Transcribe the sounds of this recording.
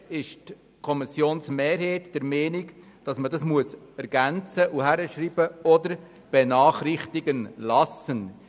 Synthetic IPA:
ɪʃt | kʰɔmisjoːnsmeːɾheːtd̥ɛɾmɛːnik | d̥ɑsmədɑsmuəsɛɾɡ̥ænt͡səʔuhæɾəʃɾiːbəɔdəɾ | b̥ɛnɑːχrɪχt̪iɡənlɑsən

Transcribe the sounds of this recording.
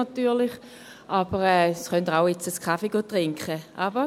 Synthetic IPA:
atyːɐlɪχ | ʔab̥əʁɛːsχœntaʊet͡səskʰafeɡ̥oːtʁɪŋkχəʔab̥ə

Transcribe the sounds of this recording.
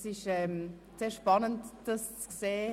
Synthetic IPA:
sɪʃɛm | seːʃpɑnəntd̥ɑst͡skseː

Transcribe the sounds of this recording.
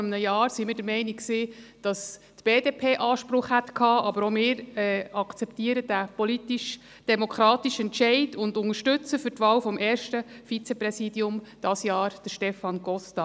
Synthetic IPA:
əmnəjɑːɾsimɪːɾdəɾmɛɪnikksiːd̥ɑs | tb̥eːdeːpʰeːʔɑːʃpɾʊχhætkʰɑːʔɑbəɾomɪːɾɛɑkt͡sɛptiːəɾəd̥æpɔlit̪iʃ | d̥ɛmɔkʰɾɑːt̪iʃɛntʃɛɪdʊndʊŋəɾʃtʉt͡səfʏrtʋɑːwfɔmʔɛːɾʃtəfit͡sɛprɛsiːdiʊmd̥ɑsjɑːɾd̥əʃtɛfɑnɡ̥ɔstɑ

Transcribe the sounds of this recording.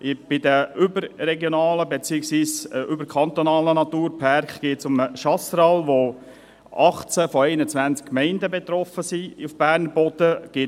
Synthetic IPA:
ʔɪb̥ɪd̪əʏbəɾːɛɡjonɑːləbet͡siːəksʋiːsʔʏbəɾkʰχɑnt̪onɑːlənɑt̪uːɾpʰɑrkɡ̥eːtsʊməʃɑsɾɑlʋo | ʔɑχt͡sæfɔɛɪnət͡sʋænt͡skkːmɛɪndəbet̪ɾɔfəsiufb̥æːɾnəb̥ɔd̥̪əɡ̥ɪː

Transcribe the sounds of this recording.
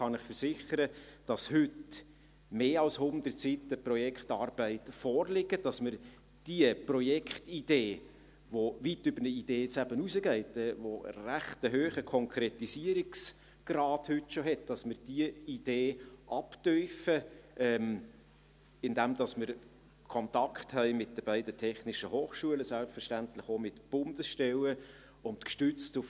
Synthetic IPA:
χɑnɪχfəɾsɪχəɾəd̥ɑshʏt | meːɑlshʊnd̪ərtsitəprɔjɛkχtɑːɾb̥æɪtfɔːɾlɪɡəd̥ɑsməɾ | d̥iəprɔjɛkχtid̥eː | ʋoʋitːʏbərnəid̥eːt͡sæbənusəɡɛɪtɛːvo̰ræχtəɦøːχəkʰɔŋkʰɾetisiəɾiks | ɡ̥rɑːdhʏtʃoɦɛt̚d̥ɑsmɪɾd̥iəid̥eːʔɑptœʏfəʔɛm | ɪndæmd̥ɑsmɪɾ | kʰɔntɑkχthɛɪmɪt̚d̥əb̥æɪdətʰɛχnɪʃəhoːχʃuələsælpsfəɾʃtæntləχomɪtb̥ʊndəsʃtɛwə | ʊntkʃtʏt͡stʊf

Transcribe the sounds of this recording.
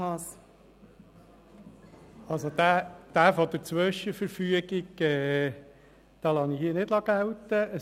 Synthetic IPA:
ɑs | ɑlsod̥̪æːd̪̥æːfɔd̥̪əɾt͡sʋʏʃəfəɾfyəɡɪɡɛ | d̥ɑːlɑnihiːnɪdlɑɡ̥æwt̪əə

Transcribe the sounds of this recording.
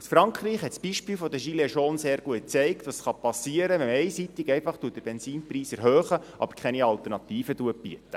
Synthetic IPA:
usfɾɑŋkχɾiːχhɛt̪sb̥iʃpiːlfɔd̪əʃileʃɔːnseːɾɡuət̚t͡sɛɪktʋɑsχɑpɑsiəɾəɛmɛɪsit̪iɡɛɪfɑχtuətd̥̪əɾb̥ɛnsiːnpriːsæɾɦøːχəʔɑ̰b̥əɾkʰχɛniɑlt̪ərnɑt̪iːfəduəb̥ḭətːə̥

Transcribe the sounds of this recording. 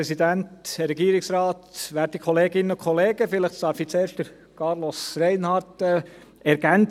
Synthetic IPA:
ɛsid̪ænt̪ɾɛɡiːɾɪksɾɑːt̪ʋæːɾtikʰχoleːɡɪnəʊkʰɔleːɡəfɪləχtsɑɾfit͡seːɾʃd̥əɾ | kʰɑɾlɔsɾɛɪnhɑːɾtɛ | ɛɾɡ̥æn

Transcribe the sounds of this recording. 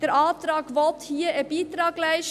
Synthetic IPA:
d̥ɛɾʔɑːt̪ɾɑːɡvɔthiəʔəb̥iːt̪ɾɑːɡlæɪʃ

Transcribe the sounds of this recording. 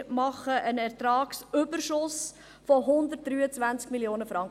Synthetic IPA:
mɑχəʔənɛɾtɾɑːksʏbəɾʃʊs | fɔɦʊnd̪ət̚d̥ɾyːət͡svænt͡skmiljoːnəfɾɑŋ

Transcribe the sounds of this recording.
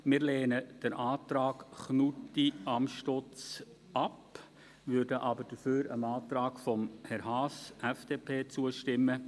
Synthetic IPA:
mɪːɾleːnəd̥əɾʔaːt̪ɾɑːkχnutiɑmʃtot͡s | ɑp | vʏɾdəʔɑbəɾd̥əføːɾə̰mɑːt̪ɾɑːkfɔmhɛɾɦɑːsɛfd̥eːpʰeːt͡suəʃtɪmːə

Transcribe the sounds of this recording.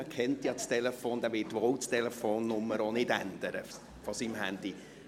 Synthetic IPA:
kʰɛntjɑt͡stɛlɛfoːnd̥æːʋɪtwɔʊwt͡stɛlɛfoːnːʊmːəɾonɪdænd̥əɾə | fɔsiːmɦændi

